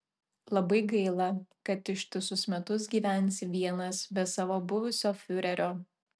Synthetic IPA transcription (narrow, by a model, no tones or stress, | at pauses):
lˠɐbɐɪɡɐɪlˠɐkɐt̪ɪʃt̪ʲʊsʲʊsmʲɛt̪ʊsɡʲiːʋʲænʲˑsʲɪʋʲiɛnɐsbʲɛt̪sɑːʋoːbʊʋʊsʲoːfʲʊɾʲɛɾʲoː